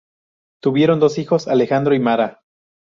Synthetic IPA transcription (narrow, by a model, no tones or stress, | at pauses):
t̪uβje̞ɾo̞nd̪o̞sixo̞sale̞xand̪ɾoimaɾa